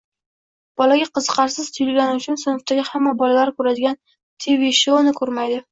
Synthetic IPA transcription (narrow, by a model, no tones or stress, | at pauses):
b̥ɒlaɡʲaqʰɨzɨqʰɑɾsɪz̥t̪ʰʊjɪlɡʲanɪʊt͡ʃʰʊnsɪnʊft̪ʰaɡʲɪhamːabɒlalaɾkʰɵɾad̪ɪɡʲan | t̪ʰeveʃonɪkʰɵɾmajd̪ɪ